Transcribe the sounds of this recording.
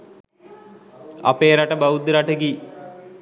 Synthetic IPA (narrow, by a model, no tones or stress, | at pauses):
a̰peːɾaʈəbaud̪ɾaʈəɡi